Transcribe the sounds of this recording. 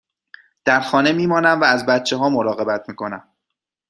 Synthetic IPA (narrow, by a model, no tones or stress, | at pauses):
d̪̥æɾxɒːne̞miːmɒːnæmvæːzbæt̪̚t͡ʃʰe̞ɦɒːmoɾɒːɣe̞bæt̪̚ʰmiːkʰo̞næm